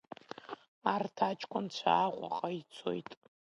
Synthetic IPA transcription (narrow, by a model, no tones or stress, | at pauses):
artʰat͡ʃʼkʷʰʼʊnt͡ɕʷʰaːʁʷʼa̰qʼait͡sʰo̰jtʼ